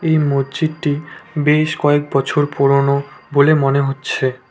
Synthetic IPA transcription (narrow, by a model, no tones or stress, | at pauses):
ejmodd͡ʑidʈibeʃkɔekbɔt͡ɕʰoɾpɔɾonobolemoneɦotːɕʰe